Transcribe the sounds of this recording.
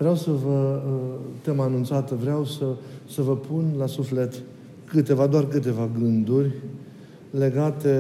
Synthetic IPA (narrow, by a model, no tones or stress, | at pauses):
vɾeawsəvə | t̪emaːnunt̪sat̪vɾeawsəsəvəpʰunlasufle̞t̪ | kɨt̪e̞vad̪oarkɨt̪̬e̞vaɡɨnd̪urʲ | le̞ɡat̪e̞